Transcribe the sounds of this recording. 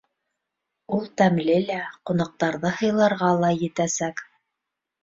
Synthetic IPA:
ulˠt̪æmlɘlæqŏnɑq̚t̪ɑɾðɤhɤ̆jlˠɑɾʁɑlˠɑjɘ̆t̪æsæk

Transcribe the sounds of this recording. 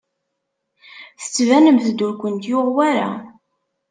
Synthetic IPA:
θə̥t͡sːvænəmθəd̪ʊɾkʷənt̪jʊʁwæɾa̰

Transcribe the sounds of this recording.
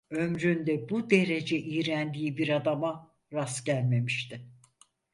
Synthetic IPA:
ø̞mɾynd̪ɛbud̪e̞ɾe̞d͡ʒɛʔijɾænd̪iːibiɾad̪ama | ɾasɟælʲme̞miʃt̪ʰɪ

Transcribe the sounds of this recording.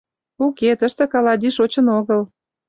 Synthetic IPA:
uket̪əʃt̪ĕkɑlɑd̪iʃot͡ɕə̆noɣəl

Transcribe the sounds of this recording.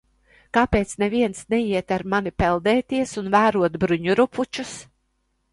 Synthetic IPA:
kaːpeːt̪snɛviɛnsnɛjiɛt̪aɾmanipɛlˠd̪ɛːt̪iɛsunvæːɾuɔt̪bɾuɲuɾupʰut͡ʃus

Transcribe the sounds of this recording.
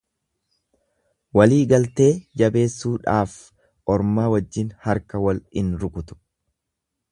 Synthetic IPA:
wɐliːɡɐlt̪e̞ːd͡ʒɐbe̞ːsːuːᶑaːf | ʔɔɾmaːwɐd͡ʒːɪnhɐɾkɐwɐlɪnɾʊkʊt̪ʊ̥

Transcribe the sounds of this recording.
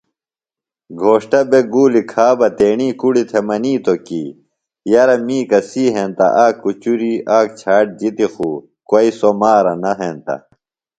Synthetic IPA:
ɡʱoːʂʈɐbeɡuːlikʰaːbɐt̪eːɳiːkuɽit̪ʰemɐniːt̪okḭː | jɐɾɐmiːkɐsiːɦent̪ɐ̰ʔaːkːut͡ɕuɾiaːk̚t͡ɕʰaːʈ̚d͡ʑit̪ixuː | kwoisomaːɾɐnɐɦeːnt̪ɐ̰

